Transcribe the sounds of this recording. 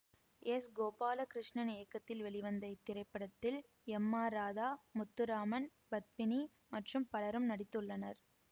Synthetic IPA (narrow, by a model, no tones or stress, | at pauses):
ɛsɡoːpaːlɐkɪɾɪʂɳɐnɪejɐkːɐt̪ːɪlʋɛɭɪʋɐnd̪ɐɪt̪ːɪɾɐɪpːɐɽɐt̪ːɪl | ɛmːaːɾaːðaːmʊt̪ːɯɾaːmɐn | bɐt̪̚pɪni | mɐʈrɯmpɐɭɐɾɯmnɐɽɪt̪ːɯɭːɐnɐɾ